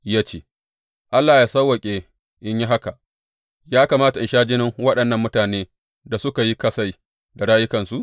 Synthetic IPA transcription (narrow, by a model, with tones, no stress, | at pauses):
jaː˦t͡ʃeː˦ | ʔa˦lːaː˨jaː˦sɐ˦wːɐ˨kʲʼeː˨ | ʔɪ˦ɲji˦ɦa˦ka˨ | jaː˦kaː˨maː˦ta˨ʔɪ˨ʃaː˦d͡ʒɪ˦nɪ˦ŋwɐ˦ɗɐ˨nːɐ˦˨mːʊ˦taː˨neː˦ | da˨sʊ˦ka˨ji˦kɐ˦sa˦˨j | da˨ɽaː˦jʊ˦kɐ˨nsu˦